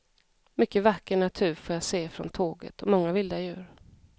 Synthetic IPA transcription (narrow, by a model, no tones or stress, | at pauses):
mʏkːəvakːəɳat̪ʰʉ̟ːɾfoːjaseːfɾɔ̰nt̪ʰoːɡə̰t̪ʰɔmɔŋːavɪld̪ajʉ̟ːɾ